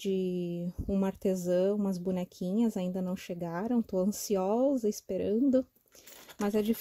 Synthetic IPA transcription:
d͡ʒɪ | ũmɐaɾt̪ezɐ̃ũmɐzbunɛkʰĩɲɐzaĩnd̪ɐnɐ̃w̃ʃeɡaɾɐ̃w̃t̪oɐ̃siɔzɐɪspeɾɐ̃nd̪ʊ | mɐzɛd͡ʒif

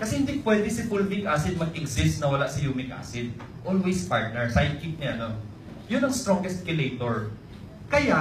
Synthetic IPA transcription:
kɐsɛhɪnd̪ipwɛːd̪ɪsɪpʊlmɪɡʔasɪd̪̚mɐɡ̚ɪɡsɪst̪nɐwɐlaʔsɪjumɪk̚ʔa̰sɪd̪̚ | ʔolwejspaɹt̪̚nɛɹsajd̪̚kit̪̚ɲɛʔɐno | jʊnɐŋst̪ɾoŋɡɛst̪̚kɪlejt̪oɹ | kɐja

